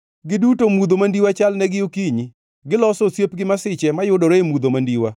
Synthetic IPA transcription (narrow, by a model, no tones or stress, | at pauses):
ɡɪdutomud̪omandiwat͡ʃalnɛɡɪokiɲi | ɡɪlɔsɔsjepɡɪmasɪt͡ʃɛmajʊdoɾeemud̪omandiwa